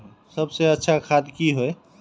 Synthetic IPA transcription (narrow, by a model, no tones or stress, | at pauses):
səbseətːʃʰakʰad̪kiɦoe